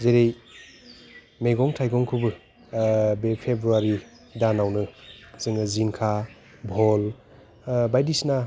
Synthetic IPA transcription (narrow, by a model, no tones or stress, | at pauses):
zeɾej | meɡɔŋtʰajɡɔŋkʰɯbɯ | bepʰebɾuaɾi | danawnɯz̥ɯŋɯzinkʰa | bʱɔl | bajdisna